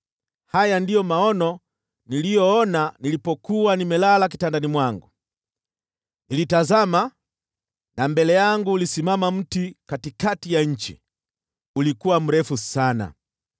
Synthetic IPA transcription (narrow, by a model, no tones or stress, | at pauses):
hajandijɔmaɔnɔ | nilijɔɔnanilipɔkuanimɛlalak̬itandanimwaŋɡu | nilitazama | nambɛlɛjaŋɡuːlisimamam̩tikatikatijaɲ̩t͡ʃḭ | ulikuwam̩ɾɛfusana̰